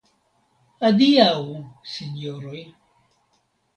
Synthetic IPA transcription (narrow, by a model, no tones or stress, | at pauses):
ad̪iawsiɲoɾoj